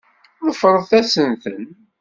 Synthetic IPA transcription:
ðəfɾˤðˤθæsənθən

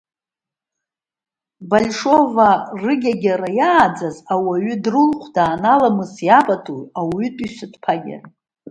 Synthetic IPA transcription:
balʲʂo̞varɨɡʲaɡʲaɾajaːd͡zazawaɥʏdrɨlqʷʰdaːnalamɨsjapʼatʰʼujawʏtʼisɨtʰʼpʰaɡʲɪ̰r

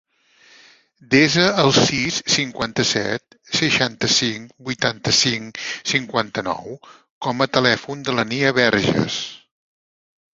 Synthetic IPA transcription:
d̪ezəːlˠsisːiŋkwant̪əsɛ̰t̪̚ | səʃant̪əsiŋbujt̪ant̪əsiŋsiŋkwant̪ənɔ̰w | kɔmət̪əlɛfund̪ələniəβɛɾʒə̰s

